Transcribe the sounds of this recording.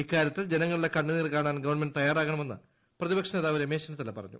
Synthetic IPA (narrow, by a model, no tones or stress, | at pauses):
ikːaːɾjɐt̪ːild͡ʑe̞nɐŋːɐɭiɽekɐɳːɨniːrkaːɳaːnɡɐʋɐrme̞nɖɨt̪ɐjːaːraːɣɐɳɐme̞nːɨ | prɐðibɐkʂɐneːðaːʋɐɾemeːɕɐnɐt̪ːɐlepɐrɐ̰ɲːṵ